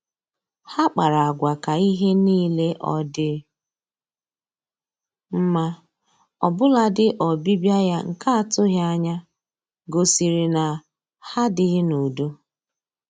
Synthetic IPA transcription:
ha˦k͡pa˨ɾa˨a˨ɡʷa˨ka˨i˦ɦe˦niː˦le˦ʔɔ̰˨dɪ˦ | m̩˦ma˦ | ɔ̰˨bʊ˦la˦dɪ˦ʔɔ˨bi˦bja˦ja˦ŋ̩˨ka˦a˦˨tʊ˦ɣja˦ɲa˦ | ɡo˨si˨ɾi˨na˨ | ha˦dɪ˦ɣɪ˦nu˨du˦

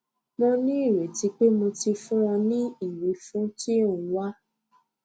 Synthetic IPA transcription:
mõ˧nĩ˦i˦˨ɾe˨ti˨˦k͡pe˦mõ˧ti˧fũ˦ɾ̃ã˧nĩ˦i˨wi˨˦fũ˦ti˦ũ˨˦wa˦

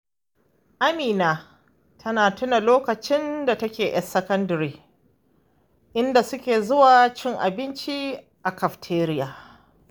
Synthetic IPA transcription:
ʔa˦miː˨naː˨ | tʰɐ˦naː˨tʊ˦na˨loː˦kɐ˨t͡ʃɪ˦nda˨tɐ˦kʲeː˨ʔɛ̰˦sːɐ˦kɐ˦ndɐ˨ɾiː˨ | ʔɪ˦nda˨sʊ˦kʲeː˨zʊ˦waː˨t͡ʃɪ˦ŋʔa˨bɪ˦nt͡ʃi˦ | ʔa˨kɐ˨ɸtʰeː˦ɾɪ˦jaː˨

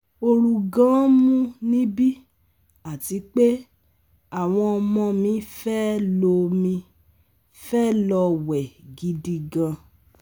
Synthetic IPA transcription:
o˧ɾu˧ɡã˦mũ˦nĩ˦bi˦ | a˦˨ti˨˦k͡pe˦ | a˦˨w̃ɔ̃˧ɔ˧mɔ̃˧mĩ˧˦fɛ˦lo˧mĩ˧ | fɛ˦lɔ˧wɛ˨ɡi˧di˧ɡã˧

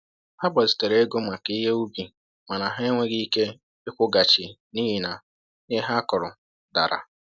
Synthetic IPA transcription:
ha˦ba˨zi̥˨te˨ɾe˦e˦ɡo˦ma˨ki˦ɦe˦u˦bi˨ | ma˨na˨ɦe˦ŋʷe˦ɡi˦i˦ke˦ | ɪ˦kʷʊ˦ɡa˨t͡ʃɪ˨ni˦ɦi˦na˨ | ɲe˦ɦa˦kʊ˨ɾʊ˨ | da̰˨ɾʔa̰˨

